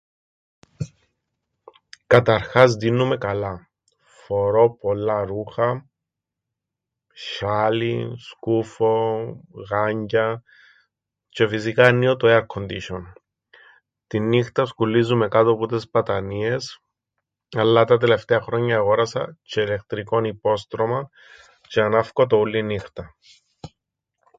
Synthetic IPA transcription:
kɐt̪ɐɾxɐzðinːume̞kɐlɐ | fo̞ɾo̞polːɐɾuxɐ | ʃaliskufo̞ɣɐɲɟɐ | t͡ʃe̞fis̬ikɐnːiot̪oeɐɾkʰond̪iʃon | t̪inːixt̪ɐskulːizːumekɐt̪oput̪espɐt̪ɐnie̞s | ɐlːɐt̪ɐt̪ele̞ft̪eɐxɾoɲːɐːɣoɾɐsɐ̰t͡ʃele̞k̚t̪ɾiko̞nipo̞st̪ɾomɐ | t͡ʃeɐnɐfkot̪oulːinixt̪ɐ

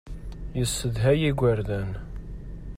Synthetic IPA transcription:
jəsːəðɦæjiɡʷəɾðæn

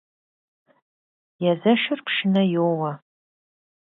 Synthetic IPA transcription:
jazɐʃɪrpʰʃɪnɐjowɐ

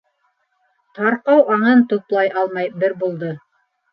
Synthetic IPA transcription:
t̪ɑɾqɑwɑɴɤnt̪ŏplˠɑjʔɑlˠmɑjbɘɾbulˠd̪ɤ

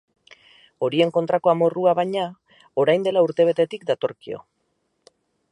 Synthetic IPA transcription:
o̞ɾie̞ŋko̞nt̪ɾako̞amo̞ruaβaɲa | o̞ɾajnd̪e̞lauɾt̪e̞β̞e̞t̪e̞t̪ikd̪at̪o̞̰ɾkio̞̰

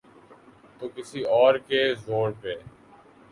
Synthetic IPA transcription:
t̪oːkɪsiɔːɾkezoːɽpeː

